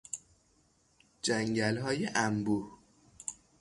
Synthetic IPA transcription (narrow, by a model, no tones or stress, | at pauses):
d͡ʒæŋɟælɦɒːjeʔæmbuh